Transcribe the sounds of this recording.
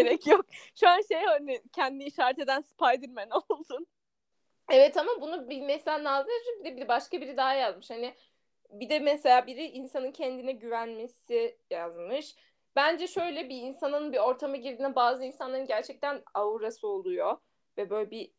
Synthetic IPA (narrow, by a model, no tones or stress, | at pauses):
eɾɛcʰjok̚ʃuanʃejanicʰɛnd̪iniiʃaːɾɛt̪e̞d̪ænspʰajd̪iɾmenolˠsun | ɛvɛt̪amabunubilʲmɛct̪ænːazɯd͡ʒɯbid̪ɛbiɾibaʃkabiɾid̪aɦajazmɯʃhanɪ | bid̪ɛmɛse̞lʲaːbiɾiʔinsanɯncʰɛnd̪inɛɟyvænme̞sijazmɯʃ | b̥ænd͡ʒɛʃø̞jlʲɛbiːnsanɯnbio̞ɾt̪ʰamaɟiɾd̪inɛbaːzɯinsanˠaɾɯnɟæɾt͡ʃʰɛc̚t̪ʰænauɾasɯo̞lˠujo | vɛbø̞jlʲɛbi